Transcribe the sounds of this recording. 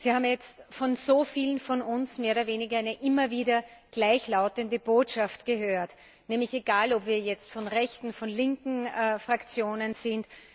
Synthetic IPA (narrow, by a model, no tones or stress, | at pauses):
z̥iːhaːbm̩jɛt͡stfɔnzoːfiːlən̩fɔnʊnsmeːɐoɾɐveːnɪɡɐæɪnəʔɪmɐviːdɐɡ̥laɪçlaʊtəndəb̥oːtʃaftɡ̥əɦøːɐt | nɛːmlɪçeɡaːlɔpv̥iːɐjɛt͡stfɔnʁɛçtn̩fɔnlɪŋkŋ̩fʁ̥akt͡sjoːnənzɪnt